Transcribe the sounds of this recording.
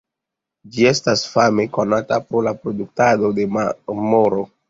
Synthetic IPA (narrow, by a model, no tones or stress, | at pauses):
d͡ʒie̞stasfame̞ko̞natapɾo̞lapɾo̞duk̚tado̞de̞mamoɾo̞